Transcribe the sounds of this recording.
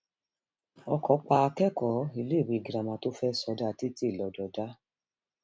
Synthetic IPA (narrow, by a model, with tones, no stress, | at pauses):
ɔ˧kɔ˨˦k͡pa˧a˧kɛ˦kɔ˨˦i˧le˦˨wi˨ɡi˨ɾa˨mã˧˦to˦fɛ˦sɔ˧da˦˨ti˦ti˦˨lɔ˨˦dɔ˨da˦